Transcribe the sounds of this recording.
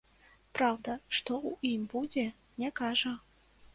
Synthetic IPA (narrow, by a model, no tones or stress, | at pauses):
pɾawd̪ɐʂt̪ɔuimbud͡zʲɛ | nʲɛkaʐɐ